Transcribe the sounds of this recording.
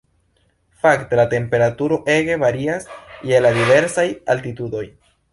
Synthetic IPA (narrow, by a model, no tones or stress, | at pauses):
fakte̞late̞mpe̞ɾatuɾo̞ʔe̞ɡe̞vaɾiasjeladive̞ɾsajaltitudo̞j